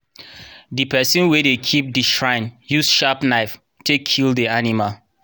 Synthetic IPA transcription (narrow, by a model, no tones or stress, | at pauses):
dipɛsĩnwɛdekʰip̚diʃɹãɪ̃njusʃapnaɪf | tʰekʰːildianimal